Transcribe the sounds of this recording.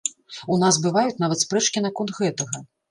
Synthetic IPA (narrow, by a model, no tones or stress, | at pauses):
unasbɨvajut̪ʲnavɐt̪spɾɛt͡ʂkʲinɐkɔnt̪ɣɛt̪ɐɣɐ